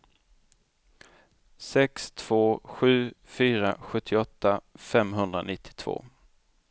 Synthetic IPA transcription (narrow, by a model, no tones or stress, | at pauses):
sɛkst̪ʰv̥oːɧʉ̟ːfyːɾaɧɵt̪ʰːɪɔt̪ʰːafɛmɦɵnd̪ɾa̰nɪt̪ʰːɪ̥t̪ʰv̥o̰ː